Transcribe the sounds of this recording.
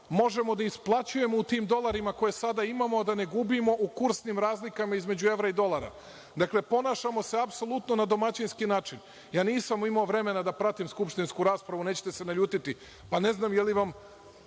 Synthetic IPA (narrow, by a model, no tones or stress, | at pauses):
mo̞ʒe̞mo̞d̪aisplˠat͡ɕuje̞mout̪iːmd̪o̞lˠaɾimako̞je̞sad̪aimamo̞d̪ane̞ɡubimo̞ʔukuɾsnimɾaːzlikamaizme̞d͡ʑue̞ʋɾaid̪o̞lˠaɾa̰ | d̪akle̞po̞naʃamo̞seapso̞lˠut̪no̞nad̪o̞mat͡ɕinskinaːt͡ʃin | jaːniːsamimaoʋɾe̞me̞nad̪apɾat̪imskupʃt̪inskuɾaːspɾaʋune̞ːt͡ɕe̥t̪e̞se̞naʎuːt̪it̪i | pane̞znaːmjeliʋam